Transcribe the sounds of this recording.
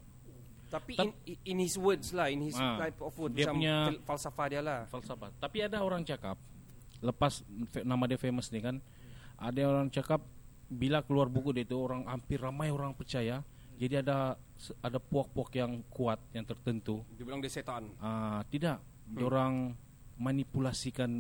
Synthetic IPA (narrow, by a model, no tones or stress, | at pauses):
t̪apiinhiswədslahinhisaajpɔfəddiapuɲafalsafadialafalsafat̪apiadaoɾaŋt͡ʃakap̚ | ləpasfenamadiafeməsnikan | ʔadaoɾaŋt͡ʃakap̚bilakəluarbukudiait̪uoɾaŋampɪramajoɾaŋpərt͡ʃaja | d͡ʒadiada | adapuak̚puakjaŋkuat̪̚jaŋt̪ərt̪ənt̪udibilaŋdiaset̪anat̪idaʔ | doɾaŋ | manipulasikan